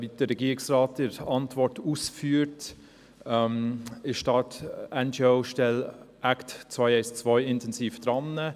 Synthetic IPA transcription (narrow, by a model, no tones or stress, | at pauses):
vid̥əɾɛɡiːɪksraːtɪɾɑntvɔrtuːsfyːɾt | mɪʃtɑtɛnd͡ʒeoʊʃtɛl | æktt͡svaɪɛɪst͡svɔɪɪntʰɛnsiːfd̥ɾɑnːə